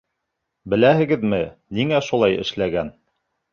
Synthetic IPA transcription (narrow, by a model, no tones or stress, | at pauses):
bɘ̆læhɘ̆ɡɘðmɘniŋæʃulˠɑjɘ̰̆ʃlæɡæn